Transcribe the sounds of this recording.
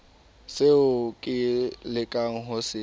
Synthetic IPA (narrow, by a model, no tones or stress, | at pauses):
seʊkʼɪlɪkʼaŋ̩ɦʊsɪ